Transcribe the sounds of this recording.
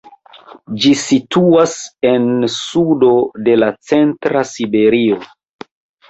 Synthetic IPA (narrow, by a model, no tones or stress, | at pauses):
d͡ʒisituase̞nsudo̞de̞lat͡se̞ntɾasibe̞ɾio